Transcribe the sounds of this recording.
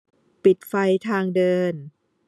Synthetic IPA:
pi˨˩t̪̚fa˧jt̪ʰaː˧ŋdɤː˧n

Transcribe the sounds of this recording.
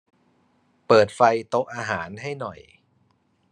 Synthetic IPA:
pɤː˨˩t̪̚fa˧jt̪o˦˥k̚ʔaː˧ɦaː˩˦nɦa˥˩jnɔ˨˩j

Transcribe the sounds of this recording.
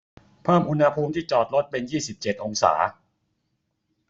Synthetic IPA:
pʰaː˥˩mʔu˧nha˧pʰuː˧mt̪ʰiː˥˩t͡ɕɔː˨˩t̪̚ɾo˦˥t̪̚pe˧njiː˥˩si˨˩p̚t͡ɕe˨˩t̪̚ʔo˧ŋsa̰ː˩˦

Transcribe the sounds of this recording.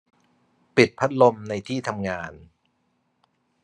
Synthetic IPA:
pi˨˩t̪̚pʰa˦˥t̪̚lo˧mna˧jt̪ʰiː˥˩t̪ʰa˧mŋaː˧n

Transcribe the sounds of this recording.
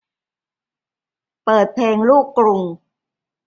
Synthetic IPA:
pɤː˨˩t̪̚pʰleː˧ŋluː˥˩kːɾu˧ŋ

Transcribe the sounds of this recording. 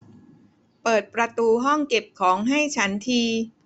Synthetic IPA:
pɤː˨˩t̪̚pɾa˧t̪uː˧ɦɔ˥˩ŋke˨˩p̚kʰɔː˩˦ŋɦa˥˩jt͡ɕʰa˦˥nt̪ʰiː˧

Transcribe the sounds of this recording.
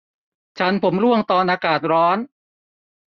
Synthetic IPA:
t͡ɕʰa˦˥npʰo˩˦mɾu˥˩əŋt̪ɔː˧nʔaː˧kaː˨˩t̪̚ɾɔː˦˥n

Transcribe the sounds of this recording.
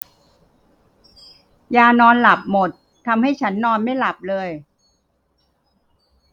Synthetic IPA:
jaː˧nɔː˧nla˨˩p̚mo˨˩t̪ʰːa˧mha˥˩jt͡ɕʰa˦˥nːɔː˧nma˥˩jla˨˩p̚lɤː˧j

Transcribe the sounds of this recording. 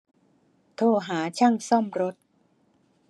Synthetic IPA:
t̪ʰoː˧˩ɦaː˩˦t͡ɕʰa˥˩ŋsɔ˥˩mɾo˦˥t̪̚

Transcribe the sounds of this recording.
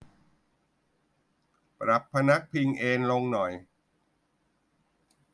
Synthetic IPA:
pɾa˨˩pʰːa˧na˦˥k̚pʰi˧ŋʔeː˧nlo˧ŋnɔ˨˩j

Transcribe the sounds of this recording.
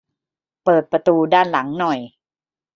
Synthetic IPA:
pɤː˨˩t̪̚pɾa˧t̪uː˧daː˥˩nla˩˦ŋnɔ˨˩j

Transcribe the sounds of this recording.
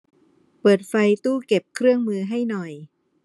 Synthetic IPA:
pɤː˨˩t̪̚fa˧jt̪uː˥˩ke˨˩p̚kʰɾɯ˥˩əŋmɯː˧ɦa˥˩jnɔ˨˩j

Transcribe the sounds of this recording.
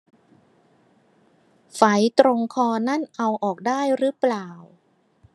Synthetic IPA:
fa˩˦jt̪ɾo˧ŋkʰɔː˧na˥˩nʔa˧wʔɔː˨˩k̚daː˥˩jɾɯː˦˥plaː˨˩w

